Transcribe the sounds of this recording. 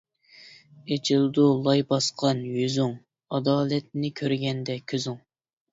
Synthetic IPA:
et͡ʃʰilˠd̪ulˠɑjbɑsqʰɑnjyzyŋ | ɑd̪ɑːlɛt̪̚nɪkʲʰøɾɡʲɛnd̪ɛkʲʰøzyŋ

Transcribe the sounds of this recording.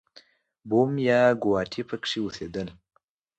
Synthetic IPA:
bomjɑɡʊwɑʈʰipʰəkʂiused̪əl

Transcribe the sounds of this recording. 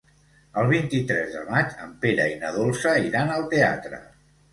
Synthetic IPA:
əlˠβ̞int̪it̪ɾɛzðə̰mat͡ʃəmpeɾə̰inəðolˠsəiɾanəlˠt̪ea̰t̪ɾə̰

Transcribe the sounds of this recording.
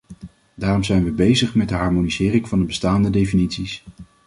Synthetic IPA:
daːrɔmzɛjnʋəbejzəχmɛd̚dəɦɑɹmonizɪːrɪŋvɑndəbəstaːndədejfinitsis

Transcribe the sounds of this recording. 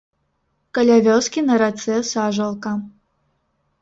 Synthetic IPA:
kɐlʲavʲɔskʲinɐɾat̪sɛsaʐɐlˠkɐ

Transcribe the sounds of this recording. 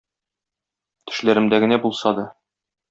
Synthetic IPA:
t̪ʰɘ̥̆ʃlæɾɘ̆md̪æɡɘ̆næbulˠsɑd̪ɑ

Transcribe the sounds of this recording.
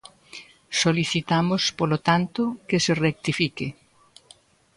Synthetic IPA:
soliθit̪amʊspolot̪ant̪ʊkeserek̚t̪ifikɪ

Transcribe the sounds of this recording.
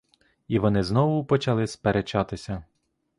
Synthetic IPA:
iʋɔnɪznɔʋʊpɔt͡ʃɐlˠɪspeɾet͡ʃɑt̪ɪsʲɐ

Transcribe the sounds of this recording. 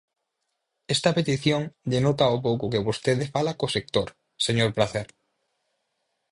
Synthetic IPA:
est̪ɐpet̪iθjoŋʎenot̪aop̬owkʊkeβost̪eðɪfalakosek̚t̪oɾ | seɲoɾpɾaθɛɾ

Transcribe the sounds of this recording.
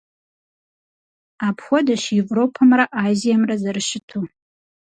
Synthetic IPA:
apʰxʷadaʃevropʰamraʔazijamrazarʃɪtʰu

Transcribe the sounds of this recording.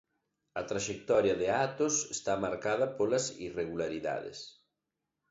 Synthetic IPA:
ɐt̪ɾaʃek̚t̪ɔɾjɐðeat̪osest̪amaɾkað̞ɐpolɐsḭreɣulaɾiða̰ðḛs

